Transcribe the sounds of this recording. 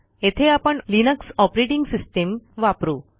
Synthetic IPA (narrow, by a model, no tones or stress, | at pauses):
et̪ʰeapəɳlinəksɔpɾeʈiŋɡsisʈemʋapɾuː